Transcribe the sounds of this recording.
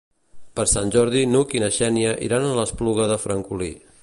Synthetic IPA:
pəɾsanʲʒɔɾðinukinəʃɛniəʔḭɾanələspluɣəðəfɾəŋkuli

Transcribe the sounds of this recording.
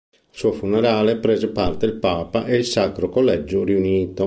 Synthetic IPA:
ilsuːofuneɾaːlepɾeːzepart̪eilpaːpaʔeilsakɾokolːɛd͡ʒːuriuniːt̪o

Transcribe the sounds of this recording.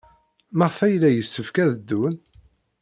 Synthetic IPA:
maʁfæjlːæjəsːəfkæðəd̪ːun

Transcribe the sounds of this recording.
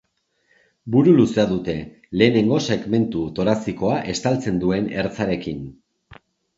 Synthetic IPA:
buɾuluse̞aðut̪e̞ | le̞ːne̞ŋɡo̞se̞ɣme̞nt̪ut̪o̞ɾasiko̞aʔe̞st̪alt͡se̞nd̪ue̞ne̞ɾt͡saɾe̞kin

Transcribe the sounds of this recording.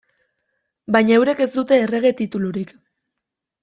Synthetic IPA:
bajɲaewɾe̞ke̞zd̪ut̪e̞ːre̞ɣ̞e̞t̪it̪uluɾik

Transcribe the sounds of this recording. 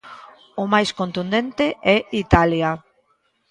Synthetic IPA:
ʊmajskont̪und̪ent̪eʔɛit̪alja

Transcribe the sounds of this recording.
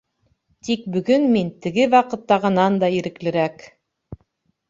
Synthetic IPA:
t̪ik̚bɵ̆ɡɵnmint̪ɘ̆ɡɘwɑqɤ̆t̪ːɑʁɤ̆nɑnd̪ɑiɾɘ̆klɘ̆ɾæk

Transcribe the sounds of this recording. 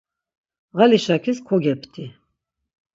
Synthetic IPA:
ʁaliʃakʰiskʰɔɡɛpʰt̪ʰi

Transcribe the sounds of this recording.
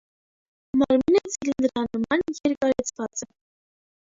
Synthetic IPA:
mɑɾminət͡sʰilinɾɑnəmɑnjɛɾkɑɾɛt͡sʰvɑt͡sɛ

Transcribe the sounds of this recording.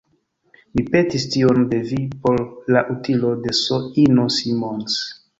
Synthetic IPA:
mipe̞tistionde̞vipo̞ɾːaʔutilo̞de̞soinosimons

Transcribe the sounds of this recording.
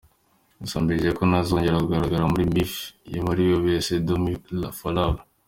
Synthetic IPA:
usaːmbiɾiʒekonazo̞ːɲɟeɾauɡaɾaɡaɾamuɾimifjemaɾijoβesedomilafalala

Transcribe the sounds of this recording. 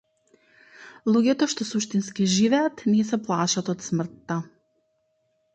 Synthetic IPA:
lˠʊɡʲɛt̪oʃt̪osuʃʲt̪ʲɪnʲsʲkʲɪʒʲiʋʲɛt̪nʲɛːsʲɛplˠɑːʃɐt̪ot̪sʲmʲɾt̪ːɐ

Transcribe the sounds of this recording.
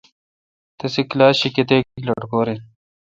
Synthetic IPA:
t̪esiklaːɕiket̪̬eːkilɐʈkoːɾin

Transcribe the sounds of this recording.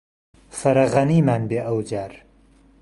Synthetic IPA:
fɐɾɐɣɐniːmaːnbeːʔɐwd͡ʒaːɾ

